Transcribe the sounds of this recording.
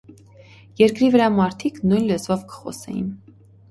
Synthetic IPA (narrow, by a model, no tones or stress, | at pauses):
jɛɾkɾivəɾɑmɑɾt̪ʰiknujnlət͡svɔvkʰə̥χɔ̰sɛ̰jḭn